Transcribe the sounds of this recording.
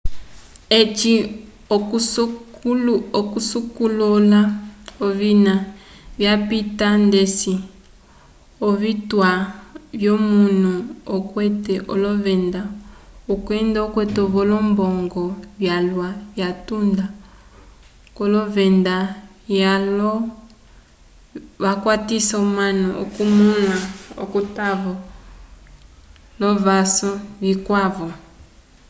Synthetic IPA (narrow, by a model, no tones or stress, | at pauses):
et͡ʃi | oku | okusukulɔlaoβinaβjapitandesi | oβitwaβjomunuokwɛtɛʔolɔvɛndaokwɛndaokwɛtoβɔlɔmbɔŋɡɔβjalwaβjatunda | kɔlɔvɛnda | jalɔ | βakwatisaomanɔo̰kumulaokutaβɔ | lɔβasɔβikwaβɔ